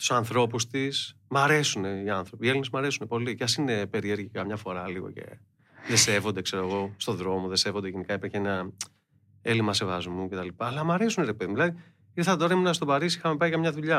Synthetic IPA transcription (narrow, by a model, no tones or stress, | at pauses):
t̪u̥sɐnθɾo̞pust̪is | mɐɾe̞sune̞iɐnθɾo̞pie̞linezmɐɾesune̞po̞liceɐsine̞pe̞ɾieɾʝikɐmɲɐfo̞ɾɐliɣo̞̰ce̞̰ | ðe̞se̞vo̞nd̪e̞kse̞ɾoeɣo̞st̪o̞ðɾo̞mo̞ðe̞se̞vo̞nd̪eʝenikɐipɐçenɐ | e̞limɐse̞vɐzmuce̞t̪ɐlipɐːlɐmɐɾe̞suneɾepeðimðilɐði | iɾθɐt̪o̞ɾɐiminɐst̪o̞pɐɾisixɐmepɐikɐmɲɐðuʎɐ